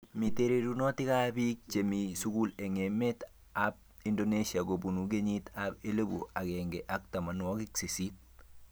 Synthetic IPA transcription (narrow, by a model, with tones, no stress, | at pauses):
mi˨te˦ɾe˨du˦no˦ti˦ka˦bi˦k̚t͡ʃemisu˦ɡu˦le˨ŋeme˦t | a˦b̚ | indonesia˨ɡo˨bu˨nu˨ɡe˦ɲi˦t̪ape˦le˦bṵ˨a˨ɡeŋɡeʔa˦k̚ta˨ma˨nwɔ˦ki˦kse˨si˦t̚